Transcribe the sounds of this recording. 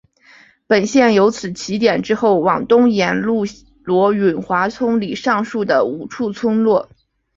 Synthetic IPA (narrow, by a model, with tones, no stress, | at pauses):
pə˨˩nɕjɛ˥˩njo˧˥ʊt͡sʰɹ̩˨˩t͡ɕʰi˧˥t̪jɛ˨˩nʈ͡ʂɻ̩˥xo˥˩ʊwɑ˨˩ŋt̪ʊ˥ŋjɛ˧˥nlu˥˩ | lwɔ˧˥ɥy˨˩nxwa˧˥t͡sʰʊ˥ŋli˨˩ʂɑ˥˧ŋʂu˥˩d̪ə˩u˨˩ʈ͡ʂʰu˥˩t͡sʰʊ˥ŋlwɔ˥˩